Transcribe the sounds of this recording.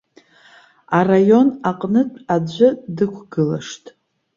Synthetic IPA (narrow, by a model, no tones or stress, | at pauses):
arajo̞naqʼnɨtʼad͡ʒʷʊdɨkʷʰɡɨlaʂtʼ